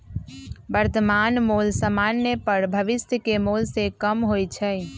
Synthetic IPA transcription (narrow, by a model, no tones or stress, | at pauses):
bəɾt̪əmanmolsəmanːəpəɾbʱəʋɪsjəkemolsekəmɦojt͡ʃʰɛ